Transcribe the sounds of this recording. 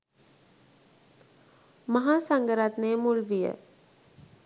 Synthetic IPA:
mɐɦaːsaŋɡəɾat̪neːmulʋijə̰

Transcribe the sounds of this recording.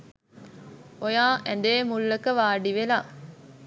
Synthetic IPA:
ojaːʔɛnd̪eːmulːɐkəʋaːɖiʋelaː

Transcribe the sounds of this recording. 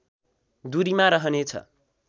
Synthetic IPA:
d̪uɾimaɾʌɦʌnet͡sʰʌ̰

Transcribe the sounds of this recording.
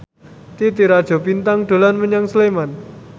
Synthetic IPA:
t̪it̪iɾad̥ʒ̥ɔ̤pint̪aŋɖ̥o̤lanməɲaŋsleman

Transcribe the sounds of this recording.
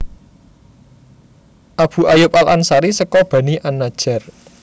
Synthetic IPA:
ʔab̥ṳajʊp̚ʼalansaɾisəkɔb̥a̤niʔanːad̥ʒ̥a̤r

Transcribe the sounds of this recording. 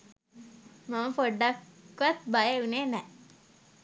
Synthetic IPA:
maməpoɖːakːʋat̪bajeunenɛ

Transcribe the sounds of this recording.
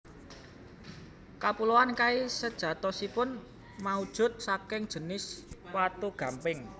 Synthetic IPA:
kapuloankaisəd̥ʒ̥ä̤t̪ɔsipʊn | maud̥ʒ̥ʊ̤t̪̚sakɪŋd̥ʒ̥ə̤nɪswat̪uɡ̥ä̤mpɪŋ

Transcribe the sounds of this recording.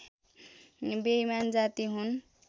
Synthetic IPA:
bejmand͡zat̪iɦun

